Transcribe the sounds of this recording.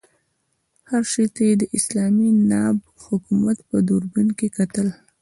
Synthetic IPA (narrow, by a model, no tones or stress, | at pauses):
haɾʃet̪ajed̪əʔɪslɑminɑb | hʊkumat̪pəd̪uɾɡunkekat̪əl